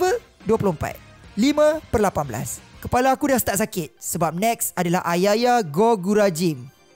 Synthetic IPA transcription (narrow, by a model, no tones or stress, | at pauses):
ə | duəploəm̩pa̰t̪̚limə̃pərlapanbəla̰skəpalaːkudasə̥t̪aʔsakɪt̪̚səbap̚nɛksadala̰ɦʔajajaɡɔɡuɾad͡ʒɪm